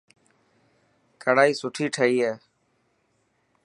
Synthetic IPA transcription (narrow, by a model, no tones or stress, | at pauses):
kʰəɽaːiːsʊʈʰiːʈʰəiːɦeː